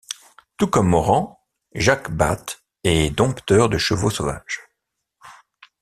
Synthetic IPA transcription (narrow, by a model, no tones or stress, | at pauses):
t̪ukɔmːɔʁɑ̃ | ʒakba̰t̪ | ɛd̪ɔ̃pt̪œʁd̪əʃəvosova̰ʒ̥